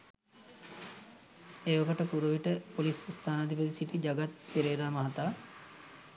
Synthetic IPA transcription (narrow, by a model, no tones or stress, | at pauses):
eʋɐkɐʈəkuɾuʋiʈəpolisst̪ʰaːnɐd̪ibɐd̪isiʈid͡ʒaɡat̪peɾeːɾaːmɐɦɐt̪aː